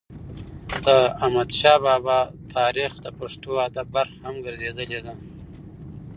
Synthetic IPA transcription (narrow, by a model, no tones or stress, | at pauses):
d̪̥əamad̪ʃɑbɑbɑt̪ʰɑɾixd̪əpaʂt̪oad̪abbaɾxahamɡəɾzed̪əled̪a